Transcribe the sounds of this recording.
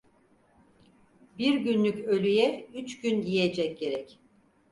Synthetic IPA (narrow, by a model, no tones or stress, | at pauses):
biɾɟynlʲycø̞lʲyjɛyt͡ʃɟynjijed͡ʒɛc̚ɟe̞ɾɛc